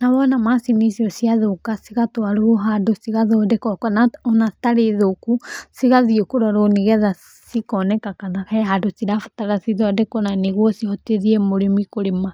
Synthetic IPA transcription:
naβɔnamasinisiɔsiaðokasiɣat̪oaɾuoɦadosiɣaðɔdɛkɔkanaɔnaθi̥taɾiðokusiɣaðiokuɾɔɾoniɣɛða | sikɔnɛkakanakaɦadusiɾafu̥taɾasiðɔdɛkonaniɣwosihɔteðiemoɾimikoɾima

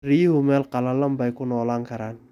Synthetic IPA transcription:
ɾihumɛlkalalambajkunɔlaŋkaɾan

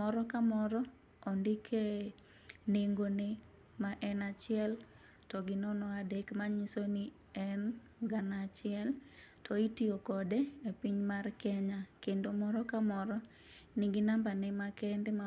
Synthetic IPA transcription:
ɔɾɔkamɔɾɔ | ɔndɪkʰe | neŋɡone | maʔɛnat͡ʃɪɛl | tɔɡɪnɔnɔadekmaɲisoni | ɛn | ɡanat͡ʃɪɛl | tʰɔitiokɔdeepiɲmarkɛɲakendomɔɾɔkamɔɾɔ | niɡɪnambanɛmakɛndema

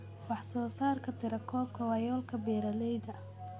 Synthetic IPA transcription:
wɑħsɔːsaːrkʰɐt̪ʰɪɾɐkʰɔːb̚kʰɐwɑːjɔːlkʰɐbɛːɾɐlɛjd̪ɐ

